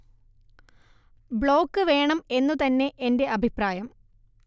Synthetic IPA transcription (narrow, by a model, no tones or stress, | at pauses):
bɭo̞ːkːɨʋe̞ːɳɐme̞nːut̪ɐnːe̞ʔende̞ʔɐbʱipraːjɐm